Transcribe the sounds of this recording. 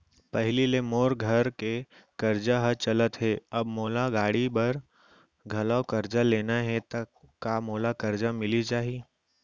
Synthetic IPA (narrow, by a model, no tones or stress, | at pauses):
pɛɦlilemoːɾɡʱɐɾke | kɐɾd͡ʒaɦət͡ʃɐlət̪ɦɛɐbmoːlaɡaːɽibɐɾ | ɡʱɐlaːkɐɾd͡ʒaleːnaɦɛt̪ɐkːamoːlakɐɾd͡ʒamɪlit͡ʃaːɦi